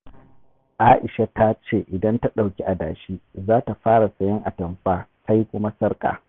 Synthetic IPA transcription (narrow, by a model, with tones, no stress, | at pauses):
ʔaː˦ʔɪ˨ʃa˦ta˦t͡ʃeː˦˨ʔɪ˨dɐ˦nta˦ɗa˨wkʲi˦ʔa˨da̰ː˨ʃiː˦zaː˦ta˨ɸaː˦ɽa˨sʼɐ˨jɐ˦ŋʔa˨tɐ˨mɸaː˦ka˦ji˦kʷʊ˦ma˦sɐ˦rkʼa̰ː˨